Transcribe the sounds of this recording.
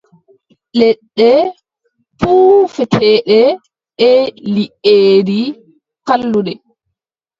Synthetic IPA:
lɛɗːɛ | fuːfɛtʰɛːɗɛ | ɛliʔeːɾi | kalːudɛ

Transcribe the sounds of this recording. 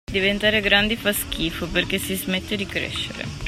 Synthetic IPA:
d̪ivent̪aːɾeɡɾand̪ifask̟iːfoperk̟esizmɛt̪ːed̪ikɾḛʃːḛɾḛ

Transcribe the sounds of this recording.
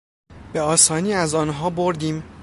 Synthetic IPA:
b̥e̞ɒːsɒːniːæzɒːnɦɒːboɾd̪iːm

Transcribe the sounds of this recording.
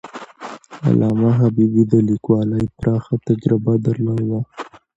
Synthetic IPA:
a̰lʔɑmaɦabibid̪əlikwɑlajpɾɑxat̪ad͡ʒɾɪbad̪aɾlɑjwa

